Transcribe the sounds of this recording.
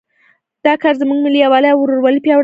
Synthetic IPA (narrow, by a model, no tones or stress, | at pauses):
d̪̥ɑkɑɾzəmuɡmɪliawɑləawɾoɾwalipjɑɽ